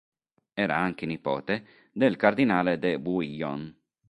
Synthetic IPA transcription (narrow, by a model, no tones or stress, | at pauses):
ɛːɾaaŋk̟enipɔ̰ːt̪e | d̪elkard̪inaːled̪ebuiʎːɔ̰n